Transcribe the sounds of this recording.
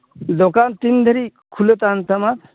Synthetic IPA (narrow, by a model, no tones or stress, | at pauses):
d̪okant̪ind̪ʱəɾikʰulet̪ant̪ʰɐmat̪